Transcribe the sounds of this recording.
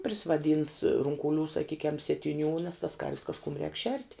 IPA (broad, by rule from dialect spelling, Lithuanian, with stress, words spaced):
pʲrʲɪsʲɪʋɐˈdʲiːns rʊŋkʊˈlʲuː sɐˈkʲiːkʲɛm sʲiɛtʲɪˈnʲuː nʲɛs tɐs kɐrʲʋʲs kɐʃˈkʊm rʲɛːk ʃʲɛrʲtʲ